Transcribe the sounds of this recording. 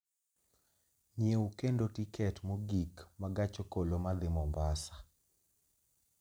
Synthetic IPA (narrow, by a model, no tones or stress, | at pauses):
ɲjeukendotikɛtmoɡikmaɡat͡ʃokolomad̪ɪmɔmbasḁ